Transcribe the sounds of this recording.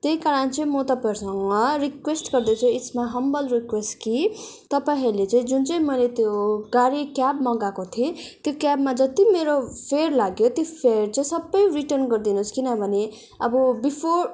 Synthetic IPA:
t̪jeikaɾʌnt͡sʌĩmot̪ʌpãɦuɾusʌŋʌɾikwesʈɡʌrd̪ʌt͡sʰuismaɦʌmbʌlrikwesʈkit̪ʌpaiɦiɾlet͡sãĩd͡zunt͡sʌĩmʌjlet̪joɡaɾikjabmʌɡakot̪ʰiet̪jokjabmad͡zʌt̪imeɾopʰerlaɡjot̪jopʰert͡sʌĩsʌbːʌjriʈʌrnɡʌrd̪inuskinʌbʱʌne | ʌbʌbipʰor

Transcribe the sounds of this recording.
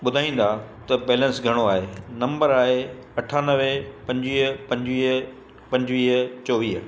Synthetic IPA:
ɓʊd̪ʱaːĩːn̆d̪at̪ɐbɛːlə̃nsɡʱɐɽ̃oaːɦenɐ̃mbəɾaːɦeɐʈʰaːnəʋepɐ̃ɲd͡ʑʋiːɦpɐ̃ɲd͡ʑʋiːɦ | pɐ̃ɲd͡ʑʋiːɦt͡ɕɔːʋiːɦ

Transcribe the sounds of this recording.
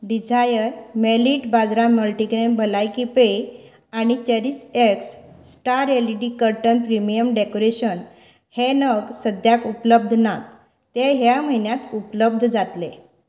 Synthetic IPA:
ɖid͡zʱajəɾmeliʈbad͡zɾaməlʈikɾenbəlajkipej | aɽ̃it͡ɕeɾiseksːʈaɾeliʈikəɾʈənpɾimijəmɖekoɾeɕən | henəɡsəd̪ʱjakupləb̚d̪ʱnat̪ː | eɦjam̤əinjat̪upləb̚d̪ʱd͡zat̪le

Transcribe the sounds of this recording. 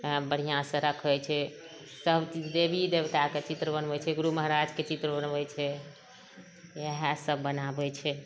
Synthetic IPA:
bəɽ̤ijãsə̃ɾəkʰɛt͡ʃʰɛ | səbt͡ʃid͡ʒd̪ebʱid̪ebt̪aket͡ʃit̪ɾəbənbɛt͡ʃʰɛɡuɾuməɦəɾad͡ʒket͡ʃit̪ɾəbənbɛt͡ʃʰɛ | eɦasəbːənabɛt͡ʃʰɛ

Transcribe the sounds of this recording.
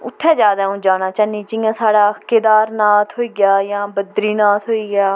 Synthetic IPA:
ʊt̪ʰːɛːd͡ʒaːd̪aːũːd͡ʒaːnãːt͡ʃaːnĩːd͡ʒɪjãːsaːɽaːked̪aːɾnaːt̪ɦoːiːɡjaːjãːbəd̪ɾiːnaːt̪ɦoːiːɡjaː

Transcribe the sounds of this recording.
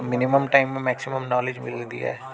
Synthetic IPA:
mɪnɪməmʈaːɪmːẽmɛːksɪməmnɔːled͡ʒmɪ̰ld̪ḭa̰ɦ

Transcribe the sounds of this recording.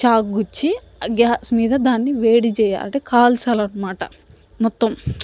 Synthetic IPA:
t͡ʃaːkɡut͡ʃːi | ɡaːsmiːd̪ɐd̪aːnːiʋeːɽit͡ʃɛːja̰ːlɐɳʈekʰaːlsɐlɐnːɐmaːʈɐ̰ | mɔt̪ːɐm

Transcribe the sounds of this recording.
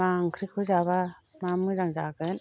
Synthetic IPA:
maŋkʰɾikʰuzaβamamɯzaŋd͡ʒaɡɯn

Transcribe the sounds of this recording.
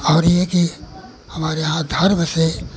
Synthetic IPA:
ɔːɾjeki | hɐmaːɾeɦãd̪ʱɐɾməse

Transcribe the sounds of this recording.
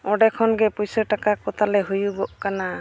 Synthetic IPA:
ɔɖɛkʰɔnɡɛpujsəʈakakɔt̪ʰalɛɦujuɡɔʔkana

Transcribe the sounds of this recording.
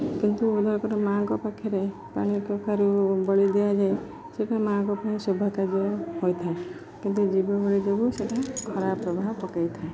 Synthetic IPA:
kint̪uud̪ɔɾkɔɾɔmãŋkɔpakʰːɔɾe | pa̰ɽ̃ikɔkʰaɾubɔɭid̪ejad͡ʒae | seʈãmãŋkɔpaɽ̃isubʱɔkad͡ʒɔɦojt̪ʰae | kint̪ud͡ʒibɔbɔɭid͡ʒɔbuseʈakʰɔɾapːɾɔbʱaɦpɔkajt̪ʰae

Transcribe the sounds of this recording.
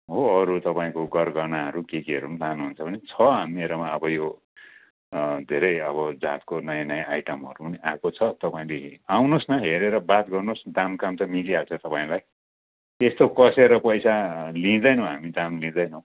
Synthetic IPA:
ɦoʌɾut̪ʌpaĩkoɡʌrɡʌnaɦʌɾukekiʌɾumt̪anuɦunt͡sʰʌbʌnet͡sʰʌɦamieɾʌmaʌbʌjo | d̪ʱeɾʌjʌβʌd͡za̰t̪konʌjanʌjãajʈʌmɦʌ̰ɾunakot͡sʰʌt̪ʌpaĩleawnosnʌɦeɾeɾʌbat̪ɡʌrnosd̪amkamt̪ʌmiliɦalt͡sʰʌt̪ʌpaĩlaj | est̪okʌseɾʌpʌjsalĩd̪ʌjnʌ̃w̃ɦamid̪amlĩd̪ʌjnʌ̃w̃

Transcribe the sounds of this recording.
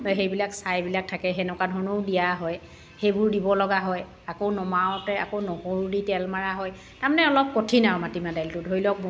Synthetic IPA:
jxejbilaksajbilak̚tʰakɛɦɛnɔkadʱɔɹnowdijaɦɔj | xejbʊɹdibɔlɔɡaɦɔj | akownɔmawtɛakownɔhoɹuditɛlmaɹaɦɔj | taɹmanɛɔlɔp̚kotʰinawmatimadajltʊdʱoɹilɔk̚m

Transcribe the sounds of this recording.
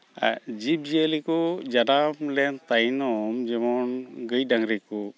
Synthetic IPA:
a̰d͡ʒip̚d͡ʒiəlikɔd͡ʒadamlɛnt̪ajnɔmd͡ʒɛmɔnɡəjdaŋɾiku

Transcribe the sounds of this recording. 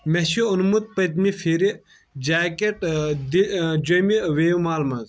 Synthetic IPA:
meʃiunmut̪̚pɐt̪̬mifʰiɾi | d͡ʒaːkeʈd̪id͡ʒomiweːumaːlmɐz

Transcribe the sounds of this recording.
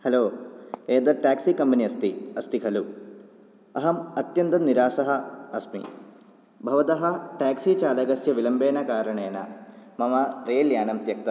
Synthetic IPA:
hɐloːeːd̪ɐʈaːksikɐmpɐniɐst̪iɐst̪ikʰɐlu | ɐɦɐmɐt̪jɐnt̪ɐmniɾaːsɐɦɐɐsmḭ | bʱɐʋɐt̪ɐɦɐʈaːksit͡ʃaːlɐɡɐsjɐʋilɐmbeːnɐkaːɾɐɳeːnɐmɐmɐɾeːljaːɳɐmt̪jɐk̚t̪ɐ

